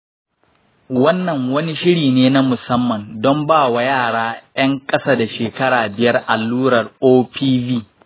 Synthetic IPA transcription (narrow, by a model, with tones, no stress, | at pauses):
wɐ˦nːɐ˨ŋwɐ˦ni˦ʃɪ˦ɽiː˨neː˦na˦mʊ˨sɐ˦mːɐ˨ndɔ˦mbaː˦˨wa˨˦jaː˦˨ɽaː˦j̰ɐ˦ŋkʼɐ˦saː˦da˨ʃeː˨kɐ˦ɽaː˨bɪ˨jɐ˦rʔa˨lːuː˦ɽɐ˨roː˦pʰiː˦biː˦